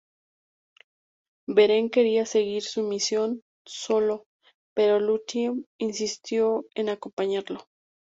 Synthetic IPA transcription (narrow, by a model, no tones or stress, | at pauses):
be̞ɾe̞ŋke̞ɾiase̞ɣiɾsumisjo̞n | so̞lo̞ | pe̞ɾo̞lut̪iminsist̪jo̞e̞nako̞mpaɲaɾlo̞